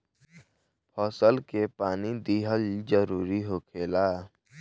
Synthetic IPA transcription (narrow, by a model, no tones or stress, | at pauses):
pʰɔːsəlkepaːnid̪iɦəld͡ʒəɾuːɾiɦoːkʰeːlaː